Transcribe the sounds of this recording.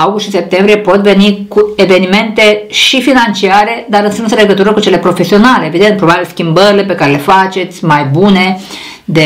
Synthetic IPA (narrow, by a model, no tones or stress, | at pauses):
awɡust̪ʃise̞p̚t̪embɾijepo̞t̪ve̞nikue̞ve̞nime̞nt̪e̞ʃifinant͡ʃiaɾe̞d̪aɾɨnst̪ɾinsəle̞ɡət̪uɾəkut͡ʃe̞le̞pɾo̞fe̞sio̞nale̞ːvid̪e̞nt̪̚pɾo̞babilskʲimbəɾile̞p̬e̞kaɾele̞fat͡ʃe̞t̪sʲmajbune̞ | d̪e